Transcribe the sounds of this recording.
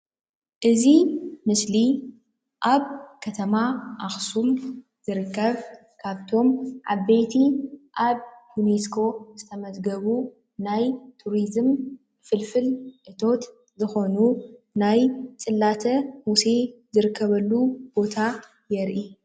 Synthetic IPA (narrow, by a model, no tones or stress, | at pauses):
ʔɨzimɨsli | ʔaβkʰɐt̪ʰɐmaʔaxsum | z̥ɨɾɨkːɐβ | kʰaβt̪ʰo̞mʕa̰βejt̪ʰiʔaβjuneskʰo̞zɨt̪ʰɐmɐzɡɐβu | najt̪ʰuɾizɨm | fɨlfɨlʔɨt̪ʰo̞t̪ | zɨxo̞nu | najt͡sʼɨlːat̪ʰɐmuse̞zɨɾɨkʰːɐβɐlːub̥o̞t̪ʰa | jɛɾʔi